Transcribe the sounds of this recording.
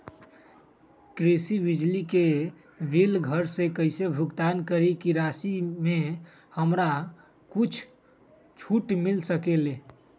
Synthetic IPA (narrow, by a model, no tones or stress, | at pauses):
kɾesibid͡ʒlike | ʋilɡʱəɾsẽkəɪsebʱuɡt̪ankəɾikiɾasime | həmɾa | kut͡ʃʰ | t͡ʃʰuʈmilsəkele